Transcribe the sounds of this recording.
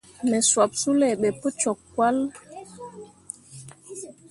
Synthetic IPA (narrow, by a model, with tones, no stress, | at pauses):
mɛ˨swa˨p̚su˦lɛ˨ɓɛ˨po˦t͡ʃɔ˨kːwa˦l